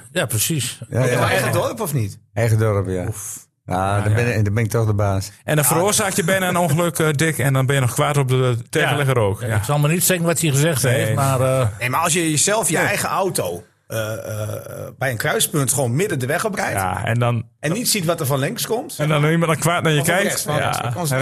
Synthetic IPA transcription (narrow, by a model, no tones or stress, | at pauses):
japrəsisjaɛɣədɔrpɔfnitɛjɣədɔrpja̰f | jabɪndɔbɪnɪk̚tɔxdəbaːsʔɛndɔnfəɾoərzaːkjəbɪnəənonxəløkdɪkɛndɔnbɪnjənɔxkʋatɔp̚dəteːɣəlɛɣəɾoːkjasɔlˠmanitsɛɡənʋɔthiəɣəzɛxtemarnemaɔlˠsjəjəzɛlˠfjəɛjɣəawtoː | ə | bɛjənkrœɥspøntxʋoːnmɪdədəʋɛxɔp̚kɛjja̰ɛ̰ndɔn | ɛnnitsitʋɔtərfɔnlɪŋkskɔmtɛndɔniməntəkʋaːtnajəkɛjkta̰n